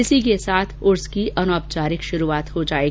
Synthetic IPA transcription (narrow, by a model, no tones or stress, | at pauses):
ɪsik̬esaːt̪ʰʊɾskiɐnɔːpt͡ʃaːɾɪkʃʊɾuaːt̪hod͡ʒaːeːɡ